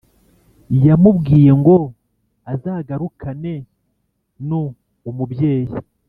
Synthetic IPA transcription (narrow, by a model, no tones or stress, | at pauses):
jamubɡiːje̞ŋɡo̞ | azaːɡaɾukane̞ | nuː | mubje̞ːji